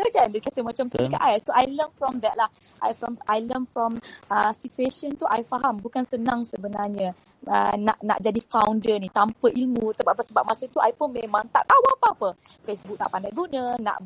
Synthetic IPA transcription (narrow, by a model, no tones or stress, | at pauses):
əkɛndəkat̪əmat͡ʃamt̪əika̰ʔajsoʔajlənfɾɔmd̪ɛt̚lah | ʔa̰jfɾɔmʔajlənfɹɔməsit̪ueʃənt̪uʔajfaɦambukansənãŋsəbənarɲa | ə̰na̰ʔna̰ʔd͡ʒadifawndənit̪ampəʔilmut̪əbapəsəbap̚masəit̪uʔa̰jpunmẽmãŋt̪at̪̚awapaapə | fesbuk̚na̰ʔpandajɡunə̃na̰ʔ